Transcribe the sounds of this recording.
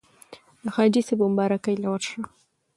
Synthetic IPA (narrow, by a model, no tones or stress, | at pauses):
d̪əxɑd͡ʒisebʊmbɑɾakəjlawəɾʂa